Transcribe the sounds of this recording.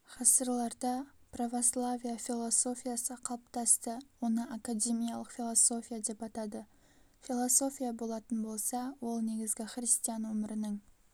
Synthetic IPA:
qɑsəɾlˠɑɾd̪ɑpravo̞slˠavʲijafʲilˠo̞so̞fʲijasəqʰɑlˠp̚t̪ɑst̪əwo̞nəʔakad̪ʲe̞mijɑlˠəqfʲilˠoso̞fʲijad̪e̞pɑt̪ɑd̪ə | fʲilˠoso̞fʲijabo̞lˠɑt̪ənbo̞lˠsɑwo̞lˠne̞ɡʲɪzɡʲɪχɾist̪ijanwɵmɪɾɪnɪŋ

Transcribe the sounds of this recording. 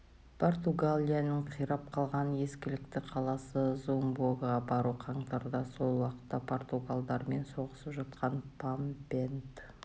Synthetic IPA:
pʰo̞rt̪uɡalʲijanəɴqʰijɾɑp̚qʰɑlˠʁɑnje̞skʲɪlɪkt̪ɪqʰɑlˠɑsəzombˠoɡʁɑbɑɾuqʰɑɴt̪ɑɾd̪ɑso̞lˠwɑqə̥t̪ːɑpʰo̞rt̪uɡalˠd̪ɑɾme̞nso̞ʁəsəpʒɑt̪̚qɑnpʰampent̪

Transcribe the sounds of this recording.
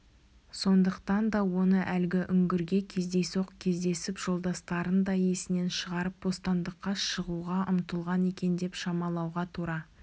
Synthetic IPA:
so̞nd̪əqt̪ɑnd̪ɑwo̞nəʔælɡʲɪʔʏŋɡʲɪɾɡʲe̞kʲʰe̞zd̪e̞soqkʲʰe̞zd̪e̞sɪpʒ̥o̞lˠd̪ɑst̪ɑɾənd̪ɑje̞sɪne̞nʃəʁɑɾəp̚bo̞st̪ɑnd̪əqːɑʃəʁuʁɑʔʊmt̪əlˠʁɑne̞kʲe̞nd̪e̞pʃɑmɑlˠɑwʁɑt̪ʰuɾɑ

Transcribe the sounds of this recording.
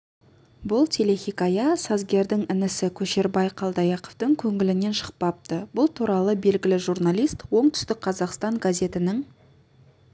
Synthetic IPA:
bʊlˠt̪ʰele̞xʲikajɑsɑzɡʲe̞ɾd̪ɪŋɪnɪsɪkʲʰɵʃe̞ɾbɑjqʰɑlˠd̪ɑjɑqoft̪əŋkʲʰɵŋɪlɪne̞nʃə̥q̚pɑp̚t̪əbʊlˠt̪ʰuɾɑlˠəbe̞lɡʲɪlɪʒuɾnalʲˠijst̪wo̞ɴt̪ʰʏ̥st̪ɪk̚qʰɑzɑqst̪ɑɴɡazʲe̞t̪ɪnɪŋ

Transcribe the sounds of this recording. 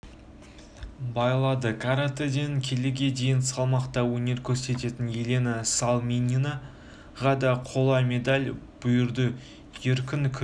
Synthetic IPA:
bɑjlˠɑd̪əkʰaɾat̪ed̪eŋkʲʰe̞lɪɡʲe̞d̪e̞jɪnsɑlˠmɑqt̪ɑwɵne̞ɾkʲʰɵɾse̞t̪e̞t̪ɪnjelenasalˠmʲenʲina | ʁɑd̪ɑqʰo̞lˠɑme̞d̪alʲb̥ʊjʊɾd̪ə | jeɾkʲɪnkʲʰʏ

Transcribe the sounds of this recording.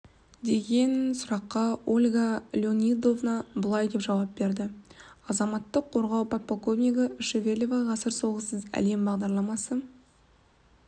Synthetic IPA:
d̪e̞ɡʲe̞nsʊɾɑqːɑolʲɡalʲɪo̞nʲid̪o̞vnɑbəlˠɑjd̪e̞pʒɑwɑp̚be̞ɾd̪ɪɑzɑmɑt̪ːəqʰːo̞ɾʁɑwpʰat̪̚pokovmʲiɡəʃevʲe̞lʲovɑʁɑsəɾso̞ʁəsəzæ̰le̞mbɑʁd̪ɑɾlˠɑmɑsə

